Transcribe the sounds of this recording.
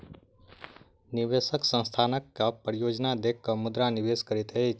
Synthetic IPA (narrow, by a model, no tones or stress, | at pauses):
niʋesəksə̃nst̪ʰanəkːapɾijod͡ʒnad̪ekʰːəmud̪ɾaniʋeskəɾit̪ɦət͡ʃʰ